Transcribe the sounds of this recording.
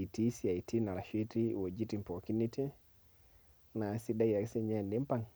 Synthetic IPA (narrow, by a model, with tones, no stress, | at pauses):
i˨ti˦si˦a˨i˨tʰi˦na˨ɾa˨ʃe˦ti˦wo˨d͡ʒi˦ti˦˨mpo˨ki˦ni˦ti˦ | na˨˦si˦da˦ja˨ɾse˦ɲɛ˦˨ndi˦mpa˦˨ŋ